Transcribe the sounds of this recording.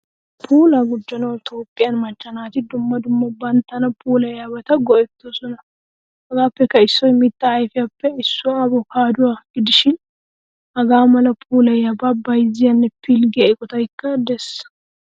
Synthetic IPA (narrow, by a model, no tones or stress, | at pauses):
pʰuːlɐɡʊd͡ʒːɔnɐwt̪oːpʼːɪjɐnmɐt͡ʃːɐnaːt̪ɪd̪ʊmːɐd̪ʊmːɐbɐnt̪ːɐnɐpʰuːlɐjabɐt̪ɐɡɔʔɛt̪ːoːsɔnɐ | ɐɡaːpːɛkːɐɪsːɔjmɪt̪ːɐːjfɪjɐpːɛɪsːʊbɔkaːd̪ʊwaɡɪd̪ɪʃɪn | ʔɐɡaːmɐlɐpʰuːlɐjababɐjzɪjɐnːɛpʰɪlɡɪɐɪkʼɔt̪ɐjkːɐd̪ɛsɐ̥